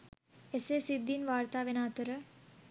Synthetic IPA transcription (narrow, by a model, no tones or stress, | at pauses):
eseːsid̪ːinʋaːɾt̪aːʋenaːt̪əɾə